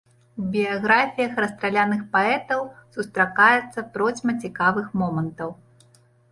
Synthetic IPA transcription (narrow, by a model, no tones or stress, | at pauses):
ubʲijaɣɾafʲijɐxrɐst̪ɾalʲanɨxpaɛt̪ɐwsust̪ɾakajɛt̪sːɐpɾɔd͡zʲmɐt͡sʲikavɨxmɔmɐnt̪ɐw